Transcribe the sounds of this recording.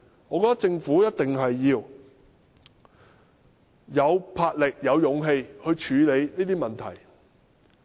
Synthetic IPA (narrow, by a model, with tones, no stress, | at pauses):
ŋɔː˨˧kɔ˧t̪ɐ˥k̚t͡sɪ˧ŋfuː˨˥jɐ˥t̚t̪ɪ˨ŋɦɐ˨jːiː˧w | jɐ˨˧wpʰaː˧t̚lɪ˨k̚jɐ˨˧wjʊ˨˧ŋɦe˧jhɵ˧ɥt͡ʃʰyː˨˧le˨˧jniː˥t̪iː˥mɐ˨nt̪ʰɐ̰˨˩j